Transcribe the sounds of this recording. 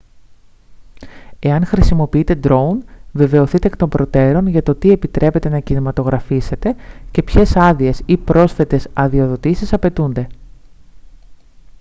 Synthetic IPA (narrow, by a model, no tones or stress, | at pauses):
e̞ɐŋxɾisimo̞piit̪e̞d̪ɾo̞unve̞ve̞o̞θit̪ekt̪o̞mbɾo̞t̪e̞ɾo̞nʝɐt̪o̞t̪ie̞pit̪ɾʔe̞pe̞t̪e̞nɐcinimɐt̪o̞ɣɾɐfise̞t̪e̞ce̞pçe̞sɐðie̞sipɾo̞sθe̞t̪e̞sɐðio̞ðo̞t̪isisɐpe̞t̪und̪e̞